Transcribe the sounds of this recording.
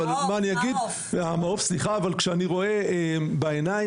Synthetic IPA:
almaːniaɡid̪ | amaofsliχaːvalkʃeaniʁo̞e̞ebaenaj

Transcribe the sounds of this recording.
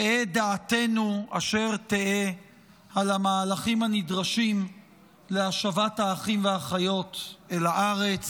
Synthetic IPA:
eed̪aːt̪e̞nuaʃe̞ʁt̪ee | alamaːlaχimhanidʁaʃim | leaʃavathaːχimveaχajo̞t̪elaʔaʁe̞t͡s

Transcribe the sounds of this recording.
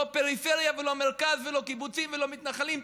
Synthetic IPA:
ope̞ʁifeʁjavelomeʁkazvelo̞kibut͡simvelo̞mit̪naχalim

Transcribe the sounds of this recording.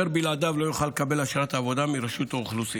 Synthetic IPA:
eɾbilad̪avlo̞juχalekabe̞laʃaɾat̪aːvo̞d̪amiɾaʃut̪auχlusi

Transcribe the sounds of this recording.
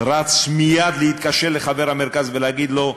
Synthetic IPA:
ɾat͡smijad̪lehit̪kaʃeʁlːeχaveʁhameɾkazveleaɡid̪lo̞

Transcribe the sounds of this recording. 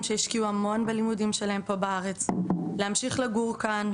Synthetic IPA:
mʃeiʃkiuamo̞nbelimudimʃelahe̞mpo̞baaʁe̞t͡sleamʃiχlaɡuʁkan

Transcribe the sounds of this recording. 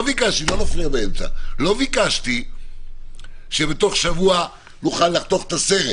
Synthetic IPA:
vikaʃt̪ilo̞nafliabaemt͡sa̰lo̞vikaʃt̪i | ʃebet̪o̞χʃavua | nuχalːaχt̪o̞χe̥t̪ase̞ʁe

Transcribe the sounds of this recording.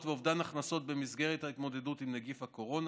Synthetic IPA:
tveovdanaχnaso̞t̪̚be̞mizɡe̞ʁethait̪mo̞de̞dut̪imneɡifhako̞ʁo̞n

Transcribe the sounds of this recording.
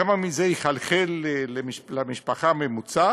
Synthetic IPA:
amamizejiχalχeleːemiʃlamiʃpaχamemut͡sa

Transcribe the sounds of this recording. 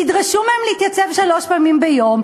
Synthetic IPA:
idʁaʃumehemlehit̪jat͡se̞vʃalo̞ʃpaːmimbejo̞m

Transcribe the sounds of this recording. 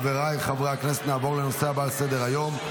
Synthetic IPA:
veʁajiχavʁaakneset̪naːvo̞ʁlenoseabalsed̪eʁajo̞m

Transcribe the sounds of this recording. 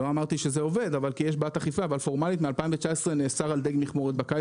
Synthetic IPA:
oamaʁt̪iʃezeo̞ve̞d̪avalkijeʃbat̪aχifaːvalfo̞ʁmalit̪mealpaimvet͡ʃaesʁeneːsaʁald̪eɡmiχmoʁet̪̚baka

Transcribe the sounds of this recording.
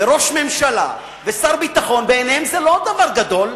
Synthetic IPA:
eʁo̞ʃme̞mʃala̰ | vesaʁbit̪aχo̞nbeːnhemzelo̞d̪avaʁɡad̪o̞l

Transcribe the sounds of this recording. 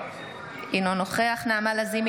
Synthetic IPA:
inonoχeaχnaamalazim

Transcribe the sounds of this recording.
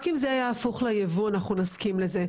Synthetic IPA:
kimzeajaːfuχlajevuanaχnunaskimleze̞

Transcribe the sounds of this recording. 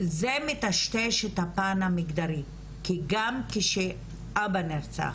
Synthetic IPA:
zemit̪aʃt̪eʃet̪hapanamiɡd̪aɾi | kiɡamkeʃe | ʔabaniɾt͡sa̰

